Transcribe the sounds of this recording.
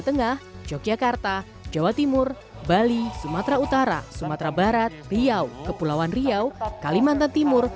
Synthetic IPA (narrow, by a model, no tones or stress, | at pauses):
t̪əŋahd͡ʒokiakart̪a | d͡ʒawat̪imʊr | balisumat̪ɾaut̪aɾa̰sumat̪ɾabaɾat̪̚riawkəpulawanriawkalimant̪ant̪imʊr